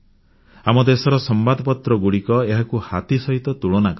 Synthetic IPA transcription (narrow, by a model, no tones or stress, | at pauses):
amɔd̪esɔɾɔsɔmbad̪ɔpɔt̪ɾɔɡuɽikɔeɦakuhat̪isɔɦit̪ɔt̪uɭɔnakɔ